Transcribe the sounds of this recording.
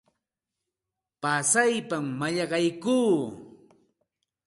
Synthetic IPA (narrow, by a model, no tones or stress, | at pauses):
pasajpamːaʎɑɢɑjkuː